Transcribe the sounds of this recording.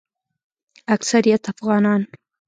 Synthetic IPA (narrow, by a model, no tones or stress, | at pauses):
aksaɾijat̪afɣɑːnɑːn